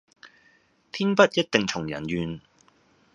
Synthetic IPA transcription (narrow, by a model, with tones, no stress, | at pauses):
t̪ʰiː˥npɐ˥t̚jɐ˥t̚t̪ɪ˨ŋt͡sʰʊ˨˩ŋjɐ̰˨˩njyː˨˧n